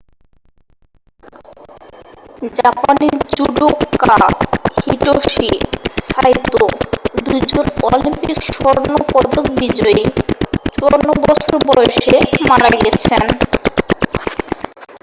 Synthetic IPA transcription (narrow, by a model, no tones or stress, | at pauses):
d͡ʑapanid͡ʑuɖokːahiʈoʃisajt̪ːod̪ud͡ʑonɔlimpikʃɔɾnopɔd̪okbid͡ʑɔet͡ɕɔɾnobɔsoɾbɔeʃemaɽaɡɛt͡ɕʰen